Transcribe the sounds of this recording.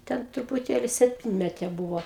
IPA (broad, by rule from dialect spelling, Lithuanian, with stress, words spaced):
ˈtʲɛn trʊpʊˈtʲeːlʲɪ sʲɛpʲˈtʲɪnʲmʲɛtʲeː ˈbuːʋoː